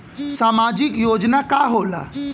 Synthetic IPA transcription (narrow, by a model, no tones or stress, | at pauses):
saːmaːd͡ʒɪkjoːd͡ʒnakaːɦoːla̰